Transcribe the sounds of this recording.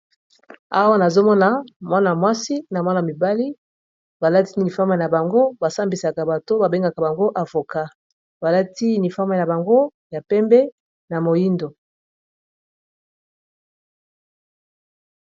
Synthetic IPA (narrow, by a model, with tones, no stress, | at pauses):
a˦wa˦na˨zo˦mɔ˦na˨mwa˦na˨mwa˦si˦na˨mwa˦na˨mi˨ba˦li˦ | ba˨la˦ti˦ni˨fa˦ma˨na˨ba˨ŋɡo˦ba˨sa˦mbi˨sa˨ka˨ba˨to˦ba˨be˦ŋɡa˨ka˨ba˨ŋɡo˦ʔa˨vo˨ka˦ | ba˨la˦ti˦ni˨fa˦ma˨ja˨ba˨ŋɡo˦ja˨pɛ˦mbɛ˦ | na˨mo˨ji˦ndo˨